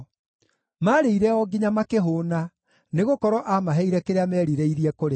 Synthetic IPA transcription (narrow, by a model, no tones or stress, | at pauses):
maɾeiɾɛɔɡiɲamakeɦoːna | neɣokɔɾɔʔamaɦɛiɾɛkeɾeamɛɾiɾeiɾiɛkoɾe